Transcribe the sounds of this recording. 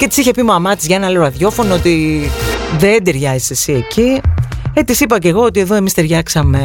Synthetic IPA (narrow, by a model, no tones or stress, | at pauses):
cet̪i̥siçe̞pimɐmɐt̪izʝɐenɐleoɐðjo̞fo̞noot̪i | ðed̪eɾʝɐzisesie̞ciet̪isipɐce̞ɣo̞ot̪ieðo̞e̞mist̪e̞ɾʝɐksɐme̞